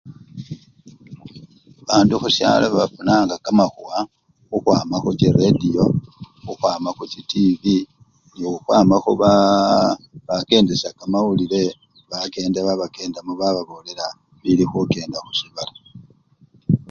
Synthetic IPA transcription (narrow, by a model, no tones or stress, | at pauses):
βaːnduxusja̰ːloβafunaːŋɡakamaxuwa | xuxwaːmaxut͡ʃiredijo̞ | xuxwaːmaxucitivi | noxuxwaːmaxuβa | βake̞ːndesakamawulile̞ | βake̞ːndaβaβake̞ːndamuβaβaβo̞le̞la | βilixuke̞ːndaxusiβala